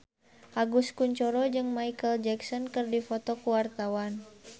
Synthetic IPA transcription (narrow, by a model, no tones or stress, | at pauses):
ʔaɡuskuɲt͡ʃɔɾɔd͡ʒɨŋmaikəld͡ʒɛksɔnkɨrdifɔt̪ɔkuwart̪awan